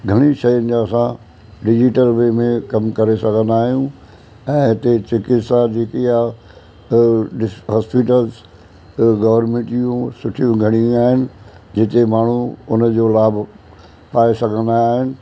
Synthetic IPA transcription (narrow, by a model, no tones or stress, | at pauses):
ɡʱɐɽ̃iʃɐjənɪ̆d͡ʑaɐsã | ɖɪd͡ʑɪʈəlʋemẽkɐmkɐɾesɐɡʱə̃nd̪aːɦijũ | ɛ̃ːɪt̪et͡ɕɪkɪt̪sad͡ʑeːkeja | ɖɪɦaːspɪʈəlz | ɡɐʋəɾmẽʈijũsʊʈʰijũɡʱɐɽ̃ijũaːɦɪnɪ̆ | d͡ʑɪt̪emaːɳ̤uʊnəd͡ʑoːlaːb | paːesɐɡʱə̃nd̪aːɦɪnɪ̆